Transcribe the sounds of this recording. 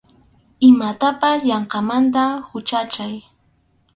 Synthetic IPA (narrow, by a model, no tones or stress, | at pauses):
ɪmat̪apasʎɑɴqɑmant̪̬ahʊt͡ʃat͡ʃaj